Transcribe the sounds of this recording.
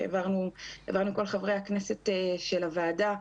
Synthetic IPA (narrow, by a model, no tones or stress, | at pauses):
vaʁnua̰vaʁnuko̞lχavʁejhaknese̞tʃelavaːda